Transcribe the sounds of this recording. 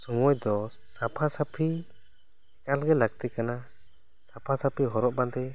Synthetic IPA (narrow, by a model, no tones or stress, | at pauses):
sɔŋɔjd̪ɔ | sapʰasapʰi | ɛkalɡɛlaɡ̚t̪ɛkana | sapʰasapʰiɦɔɾɔʔband̪ɛ